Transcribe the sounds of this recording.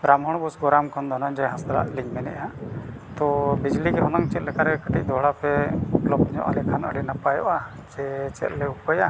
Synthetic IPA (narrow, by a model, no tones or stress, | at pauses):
ɾamɦɔɽ̃busɡɔɾamkʰɔnd̪ʱɔnɔɲd͡ʒɛɦasd̪ala̰ʔliɲmɛnɛ̰ʔat̪ɔbid͡ʒlikɛɦɔnɔŋt͡ʃɛt̪̚lɛkaɾɛkəʈic̚ˀd̪ɔɦɽapɛplɔpɲɔ̰ʔa̰lɛkʰanə̰ɽɛnapajɔ̰ʔa | d͡ʒɛt͡ʃɛ̰t̪̚lɛupəja